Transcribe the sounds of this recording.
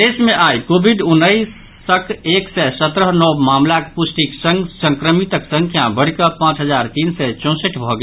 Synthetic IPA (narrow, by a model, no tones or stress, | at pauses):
d̪esmeʔajkobʱiɖunːəjsː | əkʰeksɛsət̪ɾəɦnɔbmamlakepusʈiksəŋɡsə̃ŋkɾəmit̪əksə̃ŋkʰjabəɽ̤kəpãt͡ʃɦəd͡ʒaɾt̪insɛt͡ʃɔ̃səʈʰbʱɔɡe